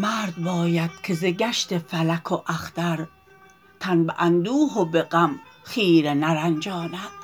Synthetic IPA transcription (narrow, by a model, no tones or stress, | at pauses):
mæɾd̪bɒːjæd̪̥kʰezeɡæʃt̪ʰefælækʰoʔæxd̪æɾ | t̪ʰænbeʔænd̪uːɦobeɡæmχiːɾenæɾænd͡ʒɒːnæd̪̥